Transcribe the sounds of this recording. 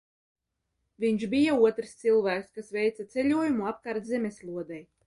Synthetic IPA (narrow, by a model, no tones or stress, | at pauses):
viɲʃbijauɔt̪ɾst̪silˠvæːkskasvɛjt̪sat̪sɛlʲuɔjumuap̚kaɾt̪zɛmʲeslˠuɔd̪ɛj